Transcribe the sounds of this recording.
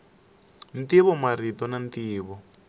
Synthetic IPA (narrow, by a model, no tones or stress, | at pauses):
ntiβɔmaritɔnant̪iːβɔ